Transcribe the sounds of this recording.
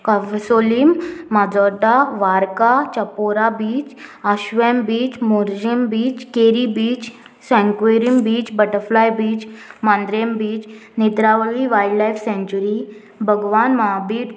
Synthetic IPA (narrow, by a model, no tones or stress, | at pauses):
kaʋsoliːmːad͡zɔɾd̪aʋaɾkat͡ɕəpoɾabiːt͡ɕəɕʋembiːt͡ɕmuɾd͡ʑimbiːt͡ɕkeɾibiːt͡ɕ | sɛ̃ŋkʋeɾimbiːt͡ɕbəʈəɾflajbiːt͡ɕmãnd̪ɾembiːt͡ɕnit̪ɾaʋəɡiʋajɖlajfsẽɲt͡ɕuɾi | bʱəɡʋanməɦabiːʈ̪